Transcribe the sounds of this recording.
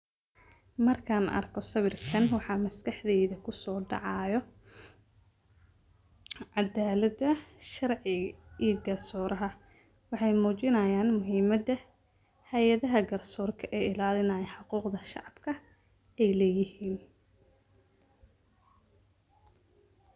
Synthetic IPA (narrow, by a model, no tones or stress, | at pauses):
mɐrkʰaːnɐ̰rkʰɔsɐβɪrkʰɐnwɑħɑːmɐskʰɑħðɛːðɐkʰʊsɔːɖɑ̰ʕɑjɔ | ʕɑd̪aːlɐd̪ɐʃɐrʕɪiɡɐrsɔːɾʔɐɦɐ | wɑħɑjmuːt͡ʃɪnɐjaːnmʊɦiːmɐd̪ɐ | hɐjɐðɐɦɐɡɐrsɔːrkʰɐʔɛːɪlaːlɪnɐjɐħɑquːqd̪ɐʃɑʕɑb̥kʰɐ | ɛjlɛːjɪɦiːn